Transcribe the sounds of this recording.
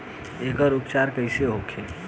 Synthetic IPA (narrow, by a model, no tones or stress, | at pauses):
ekəɾupt͡ʃaɾkəɪseɦokʰe